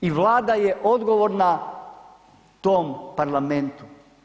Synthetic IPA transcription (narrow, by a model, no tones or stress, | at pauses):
iʋlaːd̪ajeʔo̞d̪ɡoʋoɾna | t̪oːmpaɾlˠament̪u̥